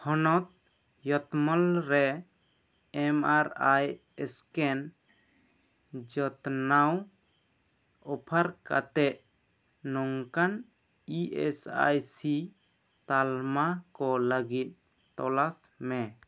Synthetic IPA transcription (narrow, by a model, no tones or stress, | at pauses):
hɔnɔt̪̚ | jɔt̪mɔlɾɛ | ɛmaɾaj | ɛskɛn | d͡ʒɔt̪naw | ɔpʰaɾka̰t̪ɛʔ | nɔŋkan | iɛ̰sa̰jsi | t̪almakɔləɡit̪̚ | t̪ɔlasmɛ